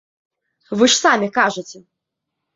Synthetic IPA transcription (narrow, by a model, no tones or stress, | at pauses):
vɨʂsamʲikaʐɨt͡sʲɛ